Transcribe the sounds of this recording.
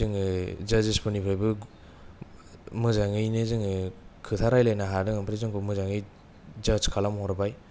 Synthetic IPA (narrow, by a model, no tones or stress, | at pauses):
ɯŋɯzazispʰɯnipʰajbɯ | mɯzaŋɯjnɯzɯŋɯkʰɯtʰaɾajlajnaɦaɾdɯŋampʰɾizɯŋkʰumɯzaŋɯj | d͡ʒaskʰalamhɔɾabaj